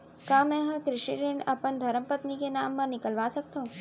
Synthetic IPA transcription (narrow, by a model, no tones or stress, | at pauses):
kãmɛ̃ɦə̃kɾɪʃiɾeɳɖə̰pənd̪ʱəɾəmpət̪nikenamːãnɪkəlʋasək̚t̪õ